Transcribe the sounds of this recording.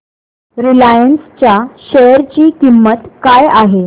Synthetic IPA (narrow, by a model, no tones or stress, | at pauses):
ɾilajənst͡ɕjaɕejɾt͡ɕiːkimːət̪kajaɦe